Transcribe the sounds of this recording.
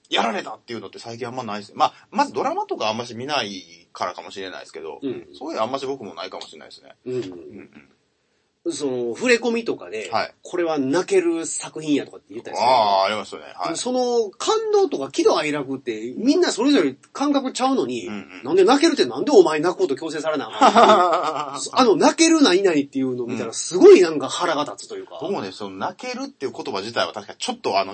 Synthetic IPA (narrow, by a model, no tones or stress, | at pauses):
jaɾaɾe̞t̪at̪ːe̞iɯ̟not̪ːe̞saik̬ʲĩamːanaisɨnemamazɨd̪o̞ɾamat̪o̞kaːmːaɕimʲinaikaɾakamo̞ɕiɾe̞na̰ḭsɨ̥ke̞d̪o̞̰ɯ̟̃ːsoɯamːaɕibo̞kɯ̟mo̞naikamoɕiɾena̰iesɨ̥ne̞̰ɯ̟̃ | so̞no̞ɸɯ̟ɾe̞ko̞mʲit̪o̞ka̰d̪e̞haḭkʰo̞ɾe̞βanake̞ɾɯ̟sakɯ̟çĩɰ̃jat̪o̞kat̪ːe̞jɯ̟t̪ːa̰̥aːɾʲimasɨonḛhaemoso̞no̞kʰãnd̪o̞ːt̪o̞kakʲid̪o̞aiɾakɯ̟t̪ːe̞mʲĩnːaso̞ɾe̞zo̞ɾʲe | kãŋkakɯ̟t͡ɕaɯ̟no̞ɲ̟ĩnãnd̪e̞nake̞ɾɯ̟t̪ːenãnd̪e̞omaenakɯhot̪o̞kʲo̞ːs̬e̞ːs̬aɾe̞nai | ano̞nake̞ɾɯ̟naɲinaɲ̟it̪ːe̞jɯ̟ːno̞mʲit̪anasɨɡo̞inãŋkahaɾaɡat̪at͡sɨ̥t̪o̞jɯ̟ːka̰boknesononake̞ɾɯ̟t̪ːejɯ̟ko̞t̪o̞baʑit̪aiβa̰t̪aɕi̥kat͡ɕo̞t̪ːoano